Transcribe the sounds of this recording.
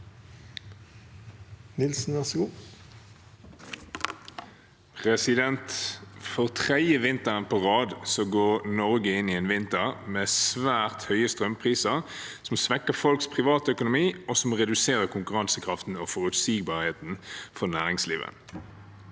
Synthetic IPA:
nɪlsn̩ʋɛsəɡuː | pʰʁɛsɪd̪ɛnt̪fɔʁt̪ʰʁɛd̪jəʋɪnt̪əʁənpʰoʁɑːd̪sɔɡoːʁnɔʁɡəɪnːɪɛːnʋɪnt̪əʁmeːsʋæːʁt̪hœʏəst̪ʁœmpʰʁiːsəʁ | sɔmsʋɛkːəfɔlkspʰʁɪʋɑːt̪əœkʊnʊmiːɔsɔmʁɛd̪ʉseːʁəʁkʰʊŋkʉʁɑnsəkʰʁɑft̪n̩ofɔʁʉt̪siːɡ̚bɑːʁheːt̪nfɔʁnæːʁɪŋslḭːʋə̰

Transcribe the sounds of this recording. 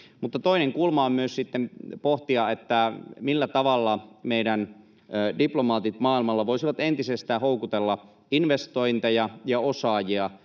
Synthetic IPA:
mut̪ːɑt̪oineŋkulmɑommyøssit̪ːempoht̪iɑet̪ːæmilːæt̪ɑʋɑlːɑmeidænː | diplomɑːt̪it̪mɑːilmɑlːɑʋoisiʋɑt̪ent̪isest̪æːhoukut̪elːɑ | inʋest̪oint̪ɑjɑjɑosɑːjiɑ

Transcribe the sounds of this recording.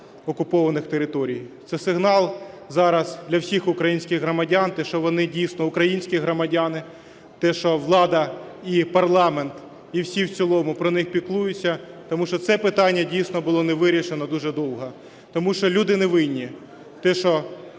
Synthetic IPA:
ɔkʊpɔʋɐnɪxt̪eɾɪt̪ɔɾʲijt̪sɛsɪɦnɑlˠ | zɑɾɐzd̪lʲɐwsʲixʊkɾɐjinʲsʲkʲɪɣɦɾɔmɐdʲant̪ɛʃt͡ʃɔʋɔnɪdʲijsnɔʊkɾɐjinʲsʲkʲiɦɾɔmɐdʲanɪ | t̪ɛʃɔʋlˠɑd̪ɐipɐrlˠɑment̪ | iwsʲiwt͡sʲilˠɔmʊpɾɔnɪxpʲiklˠujʊt͡sʲːɐt̪ɔmuʃt͡ʃɔt̪sɛpɪt̪ɑnʲːɐdʲijsnɔbʊlˠɔneʋɪɾʲiʃenɔd̪uʒɛd̪ɔwɦɔ | t̪ɔmuʃt͡ʃɔlʲud̪ɪneʋɪnʲːi | t̪ɛʃɔ

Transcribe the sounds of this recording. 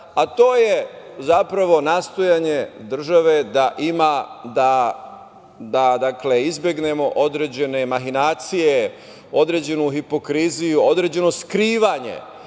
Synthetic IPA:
at̪o̞ːje̞zapɾaʋo̞nast̪o̞jaɲe̞d̪r̩ʒaʋe̞d̪aʔimad̪a | d̪ad̪akleizbʲjeɡne̞mo̞ʔo̞d̪ɾe̞ːd͡ʑe̞ne̞maɦinaːt̪sije | o̞d̪ɾeːd͡ʑe̞nuɦipo̞kɾizijuod̪ɾe̞ːd͡ʑe̞no̞skɾiːʋaɲe̞̰

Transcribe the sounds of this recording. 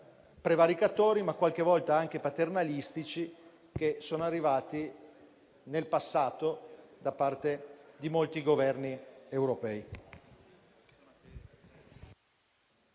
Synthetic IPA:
pɾevaɾikat̪oːɾimakːwalk̟evɔlt̪aaŋk̟epat̪ernalist̪it͡ʃi | k̟esoːnoarːivaːt̪i | nelpasːaːt̪od̪apart̪ed̪imolt̪iɡovɛrniewɾopɛːi

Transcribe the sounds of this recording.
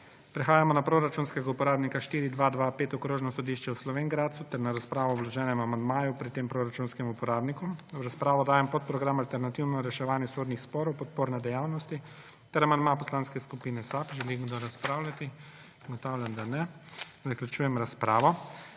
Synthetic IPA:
pɾɛxaːjamɔnapɾoɾat͡ʃunskɛɡaupɔɾaːbnikaʃt̪iːɾid̪ʋad̪ʋapeːt̪ɔkɾoːʒnɔsɔd̪iʃt͡ʃɛwslɔʋeŋɡɾaːt̪sut̪ɛɾnaɾaspɾaːʋɔːblɔʒɛːnɛmamand̪maːjupɾit̪ːempɾoɾat͡ʃunskɛmupɔɾaːbnikuɾaspɾaːʋɔd̪aːjɛmpɔt̪̚pɾɔɡɾamalt̪ɛɾnat̪iwnɔɾɛʃɛʋaːnjɛsoːd̪nixspɔːɾɔwpɔt̪̚poːɾnɛd̪ɛjaːwnɔst̪i | t̪ɛɾamand̪mapɔslaːnskɛskupiːnɛsapʒɛliɡd̪ɔɾaspɾaːwlʲat̪i | ɡɔt̪awlʲjamd̪anɛ | zaklʲjut͡ʃuːjɛmɾaspɾaːʋɔ

